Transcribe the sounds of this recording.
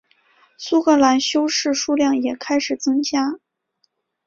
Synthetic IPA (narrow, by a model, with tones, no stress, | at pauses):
su˥kʰɤ˥la˧˥nɕjo˥ʊʂɻ̩˥˩ʂu˥ljɑ˥˩ŋjɛ˨˩kʰa˥ɪʂɻ̩˨˩t͡sɤ˥ŋt͡ɕja˥